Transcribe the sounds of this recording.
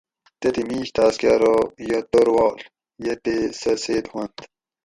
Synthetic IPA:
t̪et̪imiːɕt̪ʰaːskaɾojɐt̪oɾwoːl | jet̪esɐseːd̪huɐnt̪

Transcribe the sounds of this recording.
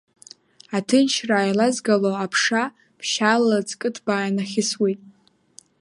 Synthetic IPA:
atʰɨnt͡ʃʰraːjlazɡaloapʰʂa | pʰʃalalat͡sʼkʼɨtʰb̥aːjanaχʲɪswetʼ

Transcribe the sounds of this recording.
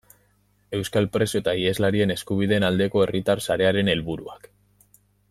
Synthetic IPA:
e̞wskalpɾe̞soet̪aiezlaɾie̞ne̞skuβ̞ið̞e̞ːnald̪e̞ko̞e̞rit̪arsaɾe̞aɾe̞ne̞lβuɾṵak

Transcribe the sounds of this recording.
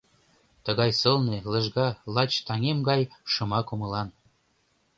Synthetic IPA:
t̪əɣɑjsɤlnelə̆ʒɡɑlɑt͡ɕt̪ɑŋemɡɑjʃɤ̆mɑkomɤ̆lɑn

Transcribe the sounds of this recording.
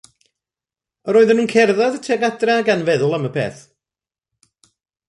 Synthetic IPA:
əɾoːðənuːnkʰɛrðaðətʰɛɡadraːɡanvɛðʊlˠəməpʰḛːθ

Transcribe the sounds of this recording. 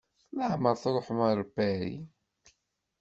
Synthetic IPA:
ləʕməɾˤθɾˤoħməɾˤbæɾḭ

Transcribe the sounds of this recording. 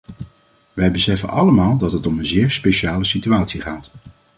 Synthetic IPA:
ʋɛjbəsɛfə̰nɑ̰ləmaːlˠdɑtɦətɔmənzɪːɹspeʃaːləsityaːtsiχaːt

